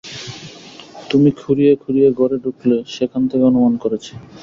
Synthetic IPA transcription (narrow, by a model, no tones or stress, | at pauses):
t̪umikʰuɾijekʰuɾijeɡoɾeɖukʰleʃekʰant̪eɡɔnomankoɾet͡ɕʰi̥